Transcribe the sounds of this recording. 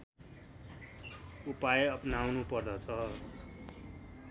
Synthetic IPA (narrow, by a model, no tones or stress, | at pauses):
upajʌpnawnupʌrd̪ʌt͡sʰʌ